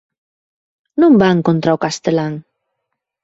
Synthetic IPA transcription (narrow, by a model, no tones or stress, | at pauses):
numbaŋkont̪ɾawkast̪elaŋ